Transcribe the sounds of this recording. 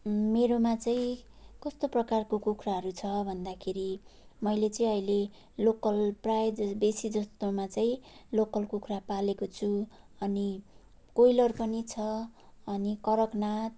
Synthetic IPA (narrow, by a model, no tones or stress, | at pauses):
meɾomat͡saĩkʌst̪oprʌkarkokukʰraɦʌɾut͡sʰʌbʱʌnd̪akʰeɾimʌjlet͡sʌĩʌile | lokʌlprajd͡zʌbesid͡zʌst̪omat͡saĩlokʌlkukʰrapalekot͡sʰu | ʌni | kojlʌrpʌnit͡sʰʌʌnikʌɾʌknat̪̚